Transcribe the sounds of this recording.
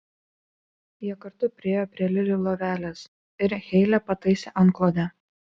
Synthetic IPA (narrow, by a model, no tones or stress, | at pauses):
jiɛkɐɾt̪ʊpʲɾʲɪeːjoːpʲɾʲiɛlʲɪlʲɪlˠoʋʲæːlʲɛs | ɪɾxʲɛɪlʲɛpɐt̪ɐɪsʲɛʔɐŋˑklˠoːd̪ʲɛ